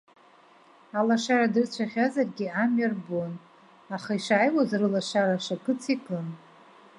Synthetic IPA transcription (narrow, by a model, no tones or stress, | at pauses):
alaʂaradɨrt͡ɕʷʰaχʲazarɡʲiamɥarbon | aχaiʂaːjwazrɨlaʂaɾaʂakʰɨt͡sʰikʼɨn